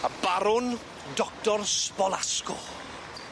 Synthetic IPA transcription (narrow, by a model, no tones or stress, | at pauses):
abaɾʊn | dɔk̚tɔrspɔlˠaskʊl